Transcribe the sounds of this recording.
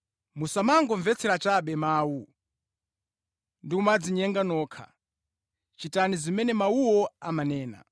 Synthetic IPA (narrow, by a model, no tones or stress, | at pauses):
musamaŋɡɔɱvɛt͡sʰɛɾat͡ʃaɓɛmaːwu | ndikumad͡ziɲɛŋɡanɔːkʰa̰ | t͡ʃitanizimɛnɛmauwɔamanɛːna̰